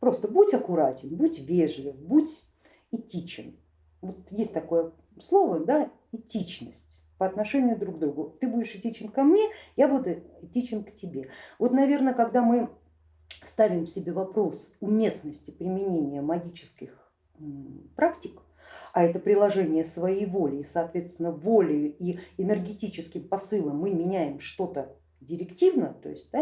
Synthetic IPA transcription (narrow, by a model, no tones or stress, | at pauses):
pɾo̞st̪əbutʲɐkʊɾatʲɪnbutʲvʲeʐlʲɪfbutʲ | ɪtʲit͡ɕɪn | vot̪jesʲtʲt̪ɐko̞jə | slˠo̞vəd̪a | ɪtʲit͡ɕnəsʲtʲ | pəɐt̪nɐʂɛnʲɪjʊd̪ɾuɡ̚d̪ɾuɡʊt̪ɨbudʲɪʂɪtʲit͡ɕɪnkɐmnʲejabud̪ʊɛtʲit͡ɕɪnktʲɪbʲe̞vo̞t̪nɐvʲe̞rnəkɐɡd̪amɨ | st̪avʲɪmsʲɪbʲe̞vɐpɾo̞sʊmʲe̞snəsʲtʲɪpɾʲɪmʲɪnʲenʲɪjəmɐɡʲit͡ɕɪ̥skʲɪx | pɾaktʲɪk | ɐɛt̪əpɾʲɪlˠɐʐɛnʲɪjəsvɐjejvolʲɪːsɐːt̪vʲet̪st̪vʲɪnəvolʲɪjʊiɪnɨrɡʲɪtʲit͡ɕɪskʲɪmpɐsɨlˠəmːɨmʲɪnʲæjɪmʂt̪o̞t̪ə | dʲɪɾʲɪktʲivnə̰ət̪o̞̰ɪsʲt̚ʲd̪a